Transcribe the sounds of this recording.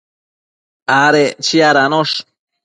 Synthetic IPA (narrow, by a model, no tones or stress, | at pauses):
aɾet͡ʃiaɾanoʂ